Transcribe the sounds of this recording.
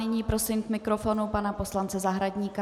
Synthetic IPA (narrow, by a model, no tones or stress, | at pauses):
ɪɲiːpɾo̞sɪmkmɪkɾo̞fo̞nupanapo̞slant͡sɛzaɦɾaɟɲiːka